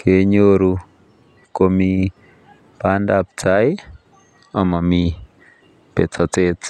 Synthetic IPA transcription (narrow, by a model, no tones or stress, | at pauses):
kʰeɲoɾu | komi | pandap̚t͡saj | amami | pet͡sat͡set͡s